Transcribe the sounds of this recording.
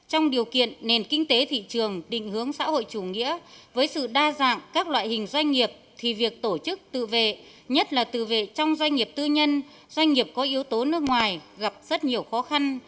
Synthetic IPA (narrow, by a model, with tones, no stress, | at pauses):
t͡ɕɔ˧wŋ͡mɗi˨˩əwkḭ˧˨ənːe˨˩nkï˧ŋ̟t̪e˨˦t̪ʰḭ˧˨t͡ɕɨ˨˩əŋɗḭ̈˧˨ŋ̟hɨ˨˦əŋsa̰ː˧˥ho̰˧˨jt͡ɕu˧˩ŋḭ˧˥əvəː˨˦jsɨ̰˧˨ɗaː˧za̰ː˧˨ŋkaː˦˥k̚lwa̰ː˧˨jhï˨˩ŋ̟zwa˧jŋ̟ŋi˨˩əp̚t̪ʰi˨˩vi˨˩ək̚t̪o˧˩t͡ɕɨ˦˥k̚t̪ɨ̰˧˨vḛ˧˨ | ɲə˦˥t̚laː˨˩t̪ɨ̰˧˨vḛ˧˨t͡ɕɔ˧wŋ͡mzwa˧ŋ̟ŋi˨˩əp̚t̪ɨ˧ɲə˧n | zwa˧jŋ̟ŋi˨˩əp̚kɔ˨˦ʔi˨˦əwt̪o˨˦nɨ˦˥k̚ŋwaː˨˩jɣa˨˩p̚z̥ə˦˥t̚ɲi˨˩əwxɔ˨˦xa˧n